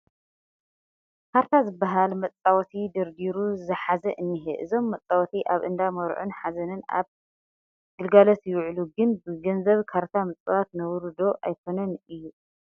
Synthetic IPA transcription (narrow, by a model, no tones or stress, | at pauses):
kʰaɾt̪ʰazɨbːaɦalmɐt͡sʼawɔt̪ʰid̪ɨɾd̪iɾuzɨħazɐʔɨnːɨɦɨʔɨzo̞mːɐt͡sʼawɔt̪ʰiʔaβʔɨnd̪amɔɾ̰ʕṵnħazɐnɨna̰β | ɡ̥ɨlɡalɐt̪jɪwʕluɡɨnbɨɡɐnzɐβkʰaɾt̪ʰamɨt͡sʼɨwat̪nɐwɾɨd̪o̞ʔajkʰo̞nɐnɨjːu